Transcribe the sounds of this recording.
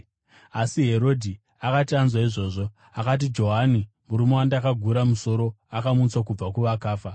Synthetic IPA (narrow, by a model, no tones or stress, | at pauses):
asiɦe̞ɾo̞dʱi | akatianzwaiʐo̞ːʐo̞ | akat̬id͡ʒo̞ɦani | muɾumewandakaɡʱuɾamuso̞ɾo̞akamut͡swakub͡vakuʋakaːfa